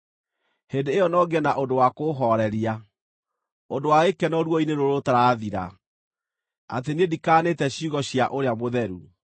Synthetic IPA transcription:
hendeːjɔnɔɡɛnaʔondowakoɦɔɾɛɾia | ondowaekɛnɔɾwɔinenoɾotaɾaðiɾa̰ | a̰teniedikaːnetɛɕiuɣɔɕjaʔoɾeamoðɛɾu

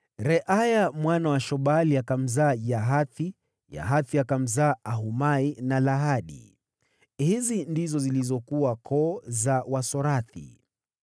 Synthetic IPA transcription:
ɾɛʔajamwanawaʃɔɓaliakam̩zaːjaɦaθi | ja̰ɦaθiakam̩zaːʔaɦumainalaɦaɗḭ | hizindizɔzilizɔkuwakʰɔːzawasɔɾaθḭ

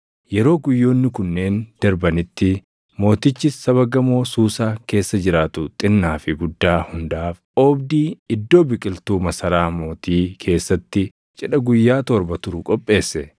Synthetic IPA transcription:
jɛɾo̞ːɡʊjːo̞ːnːɪkʊnːe̞ːnd̪̥ɐɾbɐnɪt̪ːɪ | mo̞ːt̪ɪt͡ʃːɪsːɐβɐɡɐmo̞ːsuːsaːke̞ːsːɐd͡ʒɪɾaːt̪ʊt̪ʼɪnːaːfɪɡʊd̪ːaːhʊnd̪aːf | oːbd̪iːɪd̪ːo̞ːbɪkʼɪlt̪uːmɐsɐɾaːmo̞ːt̪iːkʰe̞ːsːɐt̪ːɪ | t͡ʃʼɛᶑɐɡʊjːaːt̪ɔɾbɐt̪ʊɾʊkʼɔpʼːe̞ːsːɛ

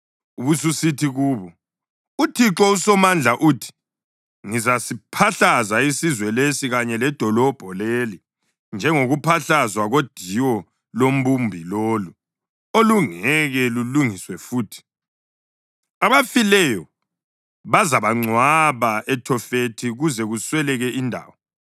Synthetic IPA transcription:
uβususitʰiɣuːβɔ | utʰiǁɔusɔmand͡ɮʱaʔuːtʰi̥ | ŋizasipʰaɬazaisizwɛlesiɣaɲɛlɛd̥ʱɔlɔb̥ʱɔleli | nd͡ʒʱɛŋoɣupʰaɬazwaɣod̥ʱiwɔ | lom̩bumbʱiloːlu | oluŋɛɣɛluluŋiswɛfuːtʰi̥ | aβafilɛjɔ | βazaβaŋ͡ǀʱwaβaɛtʰɔfetʰiɣuzɛɣuswɛlɛɣɛindʱa̰ːwɔ

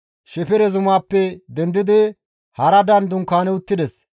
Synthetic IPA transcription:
ʃɛpɪɾɛzʊmaːpːɛd̪ɛnd̪ɪd̪ɪ | hɐɾɐd̪ɐnd̪ʊŋkaːnɛʊt̪ːɪd̪ɛs

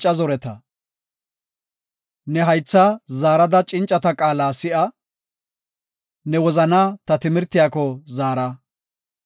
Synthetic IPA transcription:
t͡ʃʼːɐzɔɾɛt̪ɐ | nɛɦɐjt͡sːazaːɾɐd̪ɐt͡ʃʼɪnt͡ʃʼːɐt̪ɐkʼaːlaːsɪʔɐ | nɛwɔzɐnaːt̪ɐt̪ɪmɪɾt̪ːɪjaːkɔzaːɾɐ

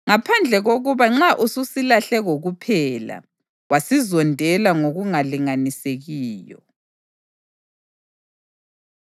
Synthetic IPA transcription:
ŋapʰand͡ɮʱɛɣoɣuβaŋ͡ǁaʔususilaɬɛɣoɣupʰɛːla̰ | wasizɔndʱɛlaŋoɣuŋaliŋaniseɣiːjɔ̰

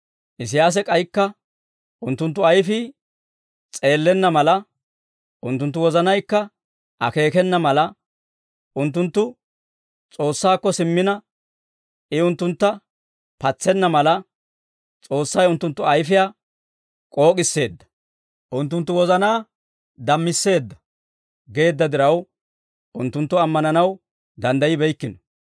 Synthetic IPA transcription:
ʔɪs̬ɪjaːs̬ɛkʼɐjkːɐ | ʔʊnt̪ːʊnt̪ːʊɐjfɪː | t͡sʼe̞ːlːɛnːɐmɐlɐ | ʔʊnt̪̬ːʊnt̪ːʊwɔzɐnɐjkːɐ | ʔɐke̞ːkɛnːɐmɐlɐ | ʊnt̪̬ːʊnt̪ːʊ | t͡sʼo̞ːsːaːkːɔsɪmːɪnɐ | ɪʊnt̪ːʊnt̪ːɐ | pɐt͡sːɛnːɐmɐlɐ | t͡sʼo̞ːsːɐjʊnt̪ːʊnt̪ːʊɐjfɪjaː | kʼo̞ːkʼɪsːe̞ːd̪ːɐ̥ | ʔʊnt̪ːʊnt̪ːʊwɔzɐnaː | d̪ɐmːɪsːe̞ːd̪ːɐ̥ | ɡe̞ːd̪ːɐd̪ɪɾɐw | ʔʊnt̪ːʊnt̪ːʊɐmːɐnɐnɐw | d̪ɐnd̪ɐjɪbɛjkːɪnɔ

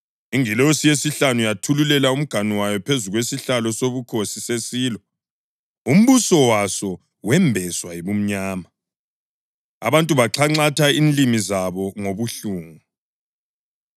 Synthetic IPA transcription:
iŋilɔsijesiɬanujatʰululɛlaum̩ɡ̥ʱaniwajɔpʰezuɣwesiɬalɔsoβukʰosisesiːlɔ | um̩βusɔwasɔ | wɛmbʱɛswajiβum̩ɲaːma | a̰βantʼuβaǁʰaŋ͡ǀatʰainlimizaβɔŋoβuɬuːŋu

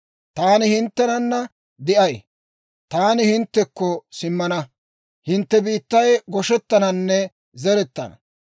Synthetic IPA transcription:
t̪aːnɪhɪnt̪ːɛnɐnːɐ | d̪ɪʔɐj | t̪aːnɪhɪnt̪ːɛkːɔsɪmːɐnɐ | hɪnt̪ːɛbiːt̪ːɐjɡɔʃɛt̪ːɐnɐnːɛ | zɛɾɛt̪ːɐ̰nɐ

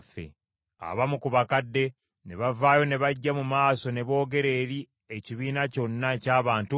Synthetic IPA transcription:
fḛ | a̰βamukuβakadːe̞ | ne̞βavaːjo̞ne̞βaɟːamumaːso̞ne̞βo̞ːɡe̞ɾe̞ːɾi | eciβiːnaco̞nːacaːβaːntu

